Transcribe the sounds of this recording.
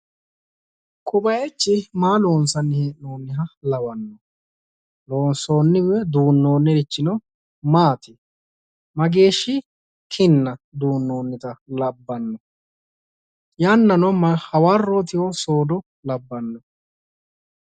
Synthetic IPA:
kʰʼʊbɐjɛt͡ʃːɪmaːlo̞ːnsɐnːɪheːʔnoːnːɪɦɐlɐwɐnːɔ | loːnso̞ːnːɪwɛd̪uːnːo̞ːnːɛɾɪt͡ʃːɪnɔ | maːt̪ɪ | mɐɡe̞ːʃːɪ | kʰɪnːɐd̪uːnːoːnːɪt̪ɐlɐbːɐnːɔ | jɐnːɐnɔmɐhɐwarːoːt̪ɪwɔsoːd̪ɔ | lɐbːɐnːɔ

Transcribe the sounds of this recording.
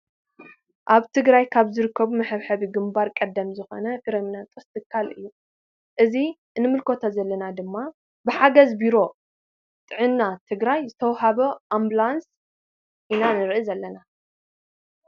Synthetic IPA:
ʔaβt̪ʰɨɡɾajkʰaβzɨɾɨkːɐβumɨħɨβħɐβiɡɨmbaɾkʼɐd̪ːɐmzɨxo̰nɐkɨɾɐminat̪ʼost̪ʰɨkʰːalʔɨjːu | ʔɨzi | ɨnːɨmɨlkʰo̞t̪ʰazɐlːɐnad̪ɨmːa | bɨħaɡɐzbiɾo̞ | t̪ʼɨʕɨnːat̪ʰɨɡɾajzɨt̪ʰɐwɦaβɐʔamblans | ʔinanɨɾʔizɐlːɐna

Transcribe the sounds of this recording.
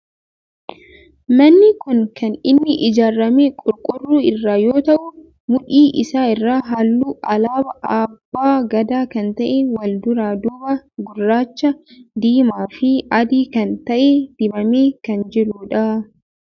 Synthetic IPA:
mɐnːɪkʊnkɐnɪnːɪʔɪd͡ʒaːrːɐmeːkʼʊɾkʼʊrːuːɪrːaːjo̞ːt̪ɐʔʊ | mʊᶑiːʔɪsaːɪrːaːɦaːlːuːʔɐlaːbɐʔaːbːaːɡɐd̪aːkɐnt̪ɐʔɛwɐld̪ʊɾaːd̪ubɐɡʊrːaːt͡ʃːɐd̪iːmaːfɪʔɐd̪iːkɐnt̪ɐʔɛd̪̥ɪbɐmeːkɐnd͡ʒɪɾuːᶑɐ

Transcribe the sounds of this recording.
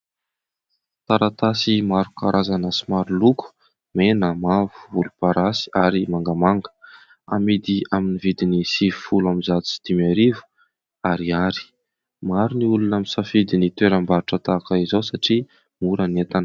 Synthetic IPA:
t̪aɾat̪asimaɾukaɾʔazanasimaɾuluku̥ | menəmavu̥vulupaɾasi̥aɾimaŋɡamaŋɡə̥ | a̰mid̪iaminivid̪inisivifulamizat̪u̥t͡si̥d̪̥imaɾivu̥ | aɾiaɾi̥ | maɾuniulunamisafid̪init̪weɾəmbaɾiʈ͡ʂət̪akaizowsaʈ͡ʂi | muɾənet̪anə̥

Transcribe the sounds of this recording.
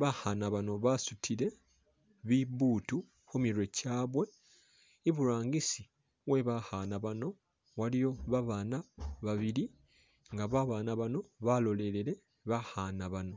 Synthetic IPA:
βahanaβano̞βasutʰile̞ | βiβutu | xomiɾwe̞caːβwe̞ː | βuɾaːŋɡisi | we̞βahanaβano̞ | walijo̞βaβaːnaβaβiɾi | ŋɡaβaβaːnaβano̞βalo̞le̞le̞le̞ | βahanaβano̞

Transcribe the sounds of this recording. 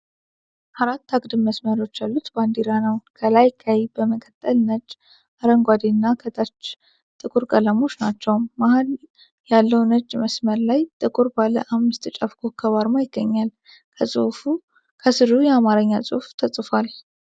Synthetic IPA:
ʔaɾat̪ʰːaɡd̪ɨmːəsməɾo̞t͡ʃːjalːut̪band̪eɾanəwkʰəlajkʰajbəməkʼət̪ʼːəlnəd͡ʒ | ʔaɾəŋɡʷad̪enːakʰət̪ʰat͡ʃː | t̪ʼɨkʼuɾkʼələmo̞t͡ʃnat͡ʃːɛwmːahal | jalːəwnəd͡ʒməsməɾlajt̪ʼɨkʼuɾbalə̰ʔamːɨst̪ɨt͡ʃʼafkʰokʰːəβaɾmajɪɡ̥ːəɲːal | kʰəsʼɨ̰fu | kʰəsɨɾujɛamaɾəɲːasʼṵhft̪ʰəsʼfal

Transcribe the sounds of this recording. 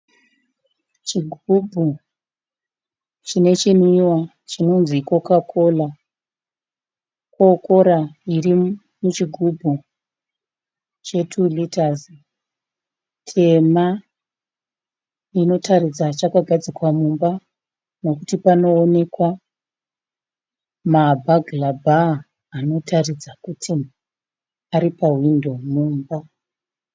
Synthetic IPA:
t͡ʃiɡʱubʱu | t͡ʃine̞t͡ʃiniwa | t͡ʃino̞nziko̞kakʰo̞la | koko̞ɾairi | mut͡ʃiɡʱubʱu | t͡ʃe̞tʰulitazi | tʰe̞ma | ino̞tʰarid͡zat͡ʃakaɡʱad͡zikwamumba | no̞kutipano̞ːne̞kwa | mabʱaɡlabʱaː | no̞tarid͡zakutʰi | aɾipaɦwindo̞muːmba

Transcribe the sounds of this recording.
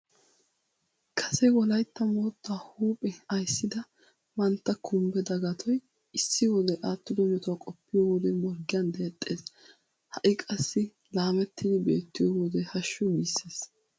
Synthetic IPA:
kʰɐ̥sɛwɔlɐjt̪ːɐmoːt̪ːaːhuːpʼɛɐjsːɪd̪ɐ | mɐnt̪ːɐkʰʊmbɛd̪ɐɡɐt̪ʰɔj | ɪsːɪwɔd̪ɛʔaːt̪ːɪd̪ɔnɔt̪wkʼɔpːɪjɔwɔd̪ɛmɔɾɡɪjɐnd̪eːt̪ʼːe̞ːs | hɐʔɪkʼɐsːɪ | laːmɛt̪ːɪd̪ɪbe̞ːt̪ːɪjɔwɔd̪ɛhɐʃːɔɡiːsːeːs

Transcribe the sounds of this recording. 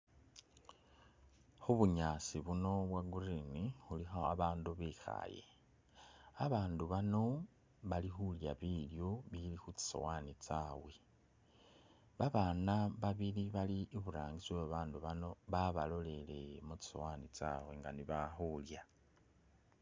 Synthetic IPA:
xuβuɲaːsiβuno̞βwaɡurinixulixoaβaːnduβexa̰jḛ | aβaːnduβano̞ | βalixulja̰βiljoβilixut͡si̥so̞̰wanit͡sawe̞ | βaβanaβaβiliβaliʔːβuɾaːŋɡit͡sweβaβaːnduβano̞βaβalo̞le̞le̞̰mut͡si̥so̞̰waːnit͡sa̰we̞ŋɡaniβaxulja

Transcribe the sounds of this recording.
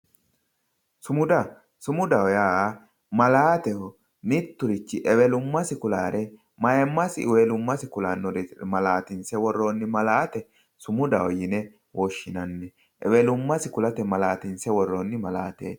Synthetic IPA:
sʊmʊd̪ɐ | sʊmʊd̪ɐwɔjaː | mɐlaːt̪ɛhɔ | mit̪ːʊɾɪt͡ʃːɪʔɛwɛlʊmːɐsɪkʊlaːɾɛ | mɐjɛmːɐsɪwelʊmːɐsɪkʊlaːnːɔɾmɐlaːt̪ɪnsɛwɔrːonːɪmɐlaːt̪ɛ | sʊmʊd̪ɐwɔjɪnɛ | wɔʃːɪnɐnːɛ | ʔɛ̰wɛlʊmːɐsɪkʊlɐt̪ɛmɐlaːt̪ɪnsɛwɔrːonːɪmɐlaːt̪ḛː

